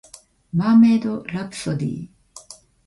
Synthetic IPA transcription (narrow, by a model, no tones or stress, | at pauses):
mamed̪oɾapsod̪ḭː